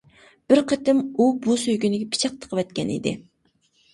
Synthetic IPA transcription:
b̥ɪɾqʰət̪ɪmubusøjɡʲynɪɡʲɛpʰi̥t͡ʃʰɑq̚t̪ʰə̥qʰəvɛt̪kʲɛnḭd̪ɪ̰

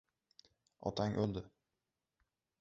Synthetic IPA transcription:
ɒ̰t̪ʰaŋʔɵld̪ɪ

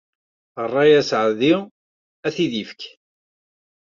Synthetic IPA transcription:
ərˤːɑjæsʕði | æθiðifk

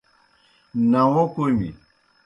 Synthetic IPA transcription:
nãwɔ̃komḭ

